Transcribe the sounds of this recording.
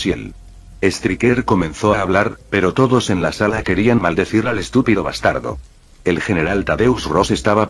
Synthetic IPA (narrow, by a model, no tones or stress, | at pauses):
sjel | e̞st̪ɾikeɾko̞mẽ̞nθo̞aːβlaɾpe̞ɾo̞t̪o̞ðo̞se̞nlasalake̞ɾianmald̪e̞θiɾale̞st̪upiðoβa̰st̪a̰ɾðo̞̰ | elxe̞ne̞ɾalt̪aðeusro̞se̞st̪aβa